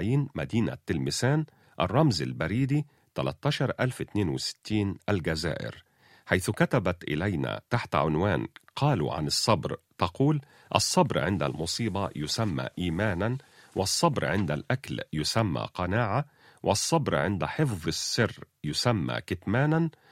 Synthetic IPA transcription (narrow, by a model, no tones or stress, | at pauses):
jiːnmæ̰d̪iːnæ̰t̪ːɪlmɪsæːn | ʔɑ̰rˤːɑmza̰lbæɾiːd̪i | t̪ælæ̰t̪ːɑːʃɑɾˤʔælfʔɪt̪neːnwɪsɪ̥t̪ʰːiːnʔælɡæzæ̰ːʔɪ̰ɾ | ħajθʊkæt̪æbæt̪ʔɪ̰læjnæ̰ːt̪aħt̪ʕʊnwæːnqʰɑːlṵʕa̰nɨsˤːɑbɾt̪ɑquːl | ʔɑ̰sˤːɑbɾʕɪnd̪æ̰lmʊsˤiːbɑjʊsæmːæ̰ːʔiːmæːnæn | wʔɑsˤːɑbɾʕɪnd̪ælʔækljʊsæmːa̰ːqɑnaːʕa | wʔɪsˤːɑbɾʕɪnd̪ħɪfðˤɨsːɪrː | jʊsæmːæ̰ːkɪt̪mæːnan